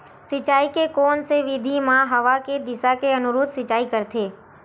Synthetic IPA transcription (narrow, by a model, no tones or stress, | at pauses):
sɪt͡ʃaːikekɔːnseʋɪd̪ʱimãɦɐʋaked̪ɪsakeɐnʊɾuːd̪sɪt͡ʃaːikɐɾt̪ʰeː